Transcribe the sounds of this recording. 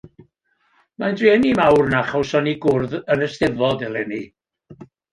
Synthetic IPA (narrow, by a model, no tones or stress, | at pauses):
mandriɛnimawrnaχɔwsɔniɡʊrðənəstɪvɔdɛlˠɛni